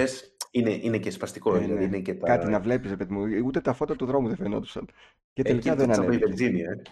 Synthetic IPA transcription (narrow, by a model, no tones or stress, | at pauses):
esineʔinecespɐst̪iko̞ðilɐiinecet̪ɐkɐt̪inɐvle̞pisɾepeðimuut̪e̞t̪ɐfo̞t̪ɐt̪uðɾo̞muðefenod̪osɐ̰n | cet̪elikɐðenɐneoivelziniɐe